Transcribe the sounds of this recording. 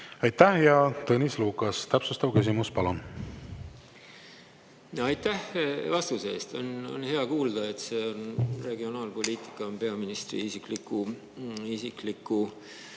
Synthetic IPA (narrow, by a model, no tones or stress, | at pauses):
ɑjt̪ːˑæhjɑt̪ɤnisluːkːˑɑst̪æpsust̪ɑvkys̬imuspɑlon | jɑjt̪ːæhvɑst̪use̞ːst̪o̞no̞̰nhe̞ɑkuːld̪̥ɑe̞t̪se̞onre̞ɡ̥io̞nɑːlpo̞lʲiːt̪ˑi̥kːˑɑnpe̞ɑminist̪rḭisiklikːˑu | isiklikːu